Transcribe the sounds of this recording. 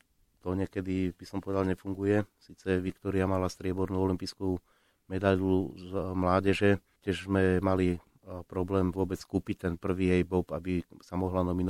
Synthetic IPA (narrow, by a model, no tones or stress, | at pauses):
t̪ɔɲɛkɛd̪ib̥isɔmpɔʋɛd̪alɲɛfuŋɡujɛsiːt͡sɛʋikt̪ɔɾiamalast̪ɾɪɛbɔɾnuːɔlimpiːsku | mɛd̪aʎumlaːɟɛʒɛ | cɛʒzmɛmali | pɾɔblɛːmʋʊɔbɛt͡skuːpic̚t̪ɛnpr̩ʋiːɛjbɔpabisamɔɦlanɔminɔ